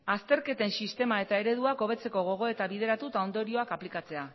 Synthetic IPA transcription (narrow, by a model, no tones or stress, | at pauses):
ast̪e̞ɾke̞t̪e̞nsist̪e̞mae̞t̪ae̞ɾe̞ð̞uako̞β̞e̞t͡se̞ko̞ɣ̞o̞ɣ̞o̞e̞t̪aβiðe̞ɾat̪ut̪aond̪o̞ɾio̞akaplikat͡se̞a